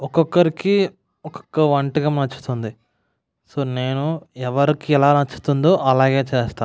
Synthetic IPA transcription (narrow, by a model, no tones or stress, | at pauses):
ɔkɔkːɐɾiki | ɔkɔ̥kːɐʋɐɳʈiɡɐmnɐt͡ʃːu̥t̪und̪i | soːneːnuɛʋɐɾikiɛlaːnɐt͡ʃːu̥t̪und̪oːʔɐlaːɡe̞ːt͡ʃeːst̪aː